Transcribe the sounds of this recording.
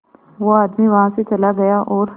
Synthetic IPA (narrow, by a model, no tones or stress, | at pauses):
ʋoaːd̪miʋɐɦãset͡ʃɐlaɡɐjaʔɔːɾ